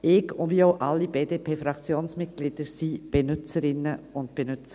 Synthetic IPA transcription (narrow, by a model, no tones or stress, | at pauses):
ʔɪɡʊnviːoʊʔa̰lːib̥eːdeːpʰeːfɾakt͡sjoːnsmɪt̚ɡ̥lɪd̥əɾsib̥enʏt͡səɾɪnːəʊntb̥enʏt͡sə